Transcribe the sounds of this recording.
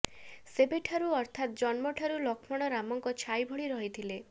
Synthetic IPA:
sebeʈʰaɾuɔɾt̪ʰat̪̚d͡ʒɔnmɔʈʰaɾulɔkʰmɔɽ̃ɔɾamɔŋkɔt͡ʃʰajbʱɔɭiɾɔɦit̪ʰile

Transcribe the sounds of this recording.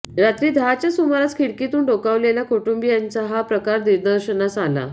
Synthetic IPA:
ɾat̪ɾiːd̪ʱaat͡ɕjasumaɾat͡skʰiɽkit̪uːɳɖokaʋlelakoʈumbijant͡saɦapɾəkaɾniɾd̪əɾɕənasala̰

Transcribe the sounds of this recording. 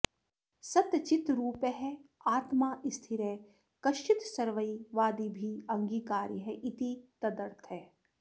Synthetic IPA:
sɐt̪t͡ʃɪt̪ɾuːpeɦɛaːt̪maːʔɪst̪ʰɪɾeː | kɐʃt͡ʃɪt̪sɐɾʋəiʋaːd̪iːbʱiɐ̃ŋɡiːkaːɾɦɛʔɪt̪it̪ɐd̪əɾt̪ʰɦɛː

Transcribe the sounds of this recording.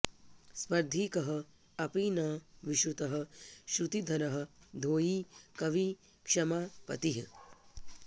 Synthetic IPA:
spɐɾd̪ʱiːkɐɦɐ̆ | ɐpiːnɐːʋiʃɾut̪ɐɦɐ̆ʃɾut̪id̪ʱɐɾɐɦɐ̆d̪ʱoːjiːkɐʋi | kʂɐmaːpɐ̰t̪iɦ

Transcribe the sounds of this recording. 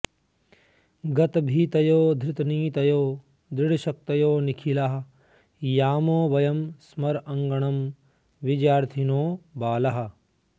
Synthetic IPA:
ɡɐt̪bʱiːt̪ɐjoːd̪ʱɾɪt̪niːt̪ɐjoː | d̪ɾɪɽɐʃɐk̚t̪ɐjoːnikʰilaɦɐ̆ | jaːmoːʋɐjɐmsmɐɾɐŋɡɐɳɐm | ʋid͡ʒjaːɾt̪ʰinoːbaːlɐɦɐ̆

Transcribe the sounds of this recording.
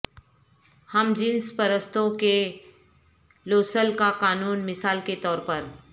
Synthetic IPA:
hɐmd͡ʒɪnspɐɾəst̪õke | loːsəlkakaːnuːnmɪsaːlket̪ɔːɾpɐɾ

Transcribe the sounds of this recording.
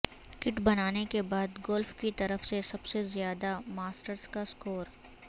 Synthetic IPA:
kɪʈbɐnaːnekebaːd̪ɡɔlfkit̪ɐɾəfsesɐbsezɪjaːd̪amaːsʈəɾskaskoːɾ

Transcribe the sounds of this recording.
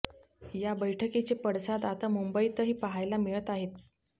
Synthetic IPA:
jabəjʈʰəket͡ɕepəɽsad̪at̪amumbəit̪əɦiːpəɦajlamiɭət̪aɦet̪

